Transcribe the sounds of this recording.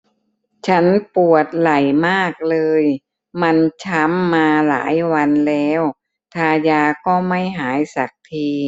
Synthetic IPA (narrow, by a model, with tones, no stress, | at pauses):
t͡ɕʰa˦˥npu˨˩ət̪̚la˨˩jmaː˥˩k̚lɤː˧j | ma˧nt͡ɕʰa˦˥mːaː˧la̰ː˩˦jwa˧nlɛː˦˥w | t̪ʰaː˧jaː˧kɔː˥˩ma˥˩jɦaː˩˦jsa˨˩k̚t̪ʰiː˧